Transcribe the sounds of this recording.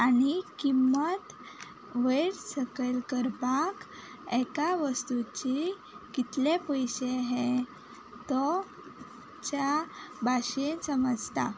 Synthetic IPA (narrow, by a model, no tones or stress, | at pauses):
añikimːət̪ | ʋeɾsəkəlkəɾpak | ɛkaʋəst̪ut͡ɕi | kit̪lepəjɕeɦe | t̪ɔ | t͡ɕjabʱaɕensəməd͡zt̪a